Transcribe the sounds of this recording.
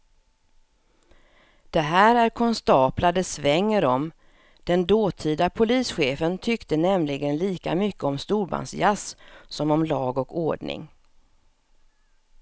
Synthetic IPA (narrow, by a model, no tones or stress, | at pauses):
d̪̥ɛɦæːɾæɾkʰɔnst̪ɑːplad̪əsvɛŋːəɾɔm | d̪̥ɛnd̪oːt̪ʰiːd̪apʰʊliːsɧeːfənt̪ʰʏkt̪ənɛmlɪɡənliːka̰mʏkːəɔmst̪uːɾba̰nsjassɔmɔmlɑːɡɔko̰ːɖɳɪ̰ŋ